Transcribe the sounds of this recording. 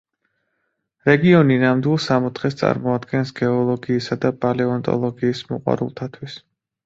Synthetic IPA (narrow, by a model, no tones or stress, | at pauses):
ɾɛɡiɔninamd̪wilˠsamɔt̪ʰχɛst̪sʼa̰ɾmɔad̪ɡɛnsɡɛɔlˠɔɡiːsad̪abalɛɔnt̪ʼɔ̰lˠɔɡiːsmɔqʼwa̰ɾṵlˠt̪ʰat̪ʰwis